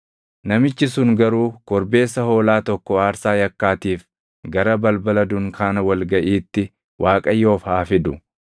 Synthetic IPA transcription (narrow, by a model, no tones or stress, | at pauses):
nɐmɪt͡ʃːɪs̬ʊŋɡɐɾuːkɔɾbe̞ːsːɐho̞ːlaːt̪ɔkːɔaːɾsaːjɐkːaːt̪iːf | ɡɐɾɐbɐlbɐlɐd̪ʊŋkʰaːnɐwɐlɡɐʔiːt̪ːɪ | wʔaːkʼɐjːo̞ːfhaːfɪd̪ʊ